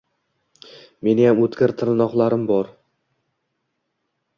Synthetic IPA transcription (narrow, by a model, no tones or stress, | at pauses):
me̞nɪjamɵt̪kʲɪɾt̪ʰɪɾnɒqlˠaɾɪmbɒɾ